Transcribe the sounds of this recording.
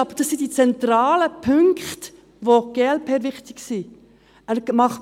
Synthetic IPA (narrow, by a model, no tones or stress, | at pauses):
ɑb̥əɾd̥ɑsːidit͡sɛnt̪ɾɑːləpʰʏŋkχt | ʋoɡ̥eːɛlpʰeːvɪχt̪ɪksi | æɾmɑχ